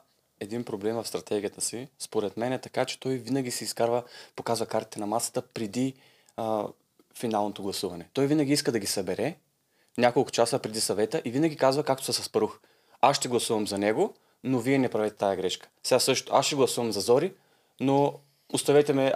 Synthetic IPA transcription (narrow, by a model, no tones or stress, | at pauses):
ɛd̪inpɾoblɛmvɐfst̪ɾɐt̪ɛɡʲiət̪əsispoɾɛt̪mɛnɛt̪ɐkat͡ʃɛ̥t̪ɔjvinɐɡ̟ʲisɛiskaɾvəpokazvɐkaɾt̪i̥t̪ɛnɐmasə̥t̪əpɾɛd̪i | finalˠnot̪oɡlˠɐsuvɐnɛt̪ɔjvinɐɡʲiiskəd̪ɐɡʲisɐbɛɾɛ | nʲakolˠkʊ̥t͡ʃasəpɾɛd̪isɐvɛt̪əʔivinɐɡʲikazvɐkak̚t̪o̥sɐsɐspɐɾux | asʃʃt̪ɛɡlˠɐsuvɐmzɐnɛɡo | noviɛnɛpɾɐvɛt̪ɛt̪ajɐɡɾɛʃkə̥sɛɡasɤʃt̪ʊʔasʃɛɡlˠɐsuvɐmzɐzɔɾi | no | ost̪ɐvɛt̪ɛmɛ